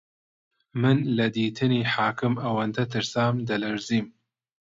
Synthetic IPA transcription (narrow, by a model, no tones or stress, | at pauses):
mɨnlɐd̪iːt̪ʰɨniːħaːkɨmɐwɐnd̪ɐt̪ʰɨɾsaːmd̪ɐlɐɾziːm